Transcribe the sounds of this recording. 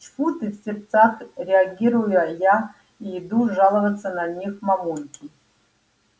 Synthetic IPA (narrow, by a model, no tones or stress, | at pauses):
t͡ʃfutʰɨfsʲert͡sʰaχrʲeaɡʲirujuja | ijid̪uʐalˠɐvɐt͡sːɐnanʲixmamunkʲʼi